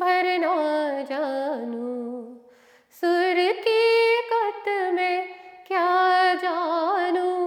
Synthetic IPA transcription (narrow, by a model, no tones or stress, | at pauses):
bʱɐɾnad͡ʒaːnu | sʊɾkikɐt̪mẽkjaːd͡ʒaːnũ